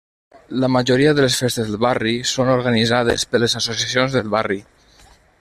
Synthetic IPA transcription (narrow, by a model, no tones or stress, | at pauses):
ləmaʒoɾiaðəlesfest̪ezðəlˠβarisonoɾɣanizað̞ḛspəlezasosiasionzðəlˠβari